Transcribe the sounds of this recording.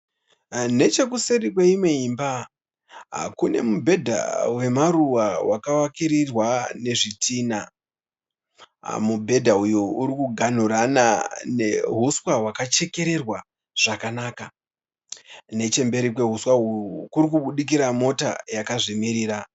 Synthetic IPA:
ne̞t͡ʃe̞kuseɾik̬weimwe̞imba | kune̞mubʱe̞dʱa̰we̞maɾuwawʔakawakiɾirwane̞ʐitʰiːna | mubʱe̞dʱaujuuɾikuɡʱan̤uɾanane̞ɦuswaɦwakat͡ʃe̞ke̞ɾe̞rwa | ʐ̥akanaːka | ne̞t͡ʃe̞mbe̞ɾikwe̞ɦuswaujukuɾik̬uɓuɗik̬iɾamo̞ta̰jakaʐimiɾiːɾa

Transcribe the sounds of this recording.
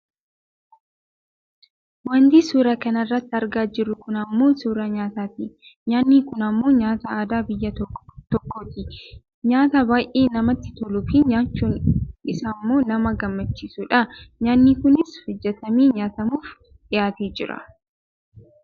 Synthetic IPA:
wɐnd̪iːsuːɾɐkɐnɐrːɐt̪ːɪɐɾɡaːd͡ʒɪrːʊkʊnɐmːo̞ːsuːɾɐɲaːt̪aːt̪iɲaːnːiːkʊnɐmːo̞ːɲaːt̪ɐaːd̪aːbɪjːɐt̪ɔkːoːt̪ɪ | ɲaːt̪ɐbaːjʔeːnɐmɐt̪ːɪ̥t̪ɔlʊfiːɲaːt͡ʃːuːnɪsaːmːo̞ːnɐmɐɡɐmːɐt͡ʃːiːsuᶑɐɲaːnːiːkʊnɪsfɪd͡ʒːɛt̪ɐmiːɲaːt̪ɐmuːf | ᶑɪjaːt̪eːd͡ʒɪɾɐ̰

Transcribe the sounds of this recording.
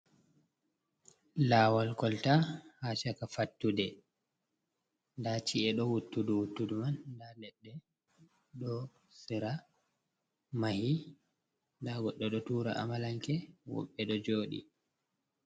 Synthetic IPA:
laːwalkɔltahat͡ʃakafatːudɛ | ndat͡ʃiɛɗɔwutːuduwutːudumandalɛɗːɛ | ɗɔ | siɾa | mahi | ndaɡɔɗːɔɗɔtuːɾa̰ʔa̰malaŋkɛwɔ̰ɓːɛɗɔd͡ʒoːɗḭ

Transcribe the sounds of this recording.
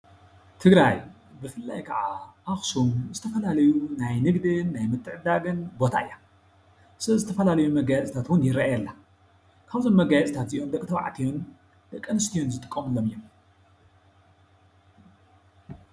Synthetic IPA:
t̪ʰɨɡɾaj | bɨfɨlːa̰jkʰɐʕaʔaxsumzɨt̪ʰɐfɐlalɐjunajnɨɡd̪ɨnːajmɨt̪ʰːɨʕɨd̪aɡɨnbo̞t̪ʰa̰ɨjːa | sɐzɨt̪ʰɐfɐlalɐjumɐɡajɛt͡sʼt̪ʰat̪wʊnjɪɾaʔjɛlːa | kʰaβzonmɐɡajɛt͡sʼt̪ʰat̪ziʔomd̪ɐkʼt̪ʰɐwa̰ʕt̪ʰijon | d̪̥ɐkʼːɨnɨst̪ʰijonzɨt̪ʼɨ̥kʼːɐmɨlːomɨjom

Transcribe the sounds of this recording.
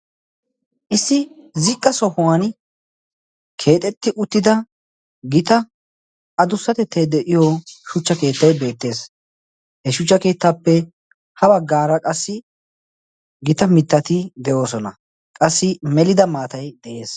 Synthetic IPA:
ʔɪsːɪzɪkʼːɐsɔhʊwan | kʰe̞ːt̪ʼɛt̪ːɪʔʊt̪ːɪd̪ɐ | ɡɪt̪ɐ | ʔɐd̪ʊsːɐt̪ɛt̪ʰːɛjd̪ɛʔɪjɔʃʊt͡ʃːɐke̞ːt̪ːɐjbe̞ːt̪ːe̞ːs | hɛʃʊt͡ʃːɐke̞ːt̪ːaːpːɛ | hɐbɐɡːaːɾɐkʼɐsːɪ | ɡɪt̪ɐmɪt̪ːɐt̪ɪd̪ɛjo̞ːsɔnɐ | kʼɐsːɪmɛlɪd̪ɐmaːt̪ɐjd̪̥ɛʔe̞ːs

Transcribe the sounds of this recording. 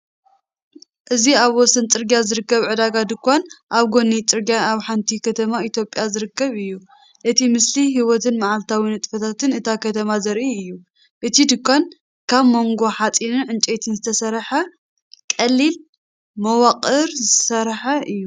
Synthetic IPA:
ʔɨziaβwɔsɐnt͡sʼɨɾɡijazɨɾɨkːɐβʕɨd̪aɡad̪ɨkʷːanʔaβɡo̞nːit͡sʼɨɾɡijaaβħant̪ʰikʰɐt̪ʰɐmait̪ʰjo̞pʼjazɨɾɨkːɐβɨjːu | ʔɨt̪ʰimɨsliɦiwɔt̪ʰɨnmaʕalt̪ʰawinɨt̪ʼfɐt̪ʰat̪ʰɨnɨt̪ʰakʰɐt̪ʰɐmazɐɾʔiɨjːu | ʔɨt̪ʰid̪ɨkʷːan | kʰaβmo̞ŋɡo̞ħat͡sʼinɨnʕɨnt͡ʃʼet̪ʰɨnzɨt̪ʰɐsɐɾħɐ | kʼɐlːil | mɐwɐqʼɨɾzɨsɐɾħɐʔɨjːu

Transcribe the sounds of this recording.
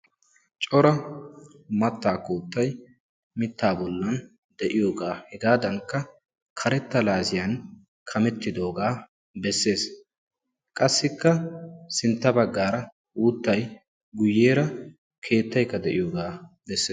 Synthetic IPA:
t͡ʃʼɔɾɐ | mɐt̪ːaːkuːt̪ːɐj | mɪt̪ːaːbɔlːɐn | d̪ɛʔɪjo̞ːɡaːhɛɡaːd̪ɐŋkːɐ | kʰɐɾɛt̪ːɐlaːsɪjan | kʰɐmɛt̪ːɪd̪o̞ːɡaː | bɛsːe̞ːs | kʼɐsːɪkːɐsɪnt̪ːɐbɐɡːaːɾɐ | wuːt̪ːɐj | ɡʊjːeːɾɐ | kʰe̞ːt̪ːɐjkːɐd̪ɛʔɪjo̞ːɡaː | bɛsːeː

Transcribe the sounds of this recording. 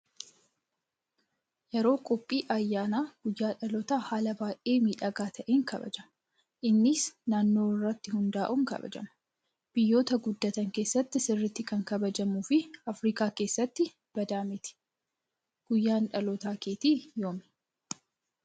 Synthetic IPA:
jɛɾo̞ːkʼɔpʼːiːʔɐjːaːnaːɡ̥ʊjːaːᶑɐlɔt̪aːhaːlɐbaːʔeːmiːᶑɐɡaːt̪ʰɐʔeːŋkɐbɐ̰d͡ʒɐmɐ | ʔɪnːɪsnaːnːo̞ːɪrːɐt̪ːɪhʊnd̪aːʔʊŋkɐ̰bɐ̰d͡ʒɐ̰mɐ̥ | b̥ɪjːo̞ːt̪ɐɡʊd̪ːɐt̪ɐŋke̞ːsːɐt̪ːɪsɪrːɪt̪ːɪkɐŋkɐbɐd͡ʒɐmuːfɪɐfɾiːkaːke̞ːsːɐt̪ːɪ | b̥ɐd̪aːmɪt̪ɪ̥ | ɡ̥ʊjːaːnᶑɐlɔt̪aːkeːt̪iːjoːmɪ

